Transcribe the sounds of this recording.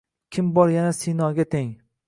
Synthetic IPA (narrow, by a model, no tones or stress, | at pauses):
kʲʰɪmbɒɾjanasinɒɡʲat̪ʰeŋ